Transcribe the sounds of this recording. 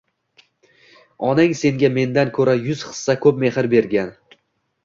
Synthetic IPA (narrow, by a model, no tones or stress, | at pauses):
ɒnaŋse̞ŋɡʲame̞nd̪ankʰɵɾajʊz̥χɨ̥sːakʰɵp̚me̞hɪɾbe̞ɾɡʲan